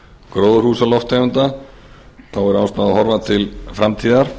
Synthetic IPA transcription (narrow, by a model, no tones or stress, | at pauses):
kɾoːwðʏɾhuːsalɔft̪hɛvʏnt̪a | θawvɛɾʏast̪aðɦɔɾvat̪ʰɪlfɾamt̪ʰiːðaɾ̥